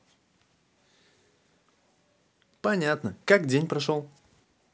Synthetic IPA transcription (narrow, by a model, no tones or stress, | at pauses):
pɐnʲat̪nəkakdʲenʲpɾɐʂolˠ